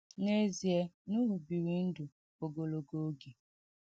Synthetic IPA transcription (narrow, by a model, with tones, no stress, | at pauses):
ne˦zi˨e˦nu˦ɦu˨bi˨ɾi˨n̩˦du˨ | o˨ɡo˨lo˨ɡo˦ɡe˨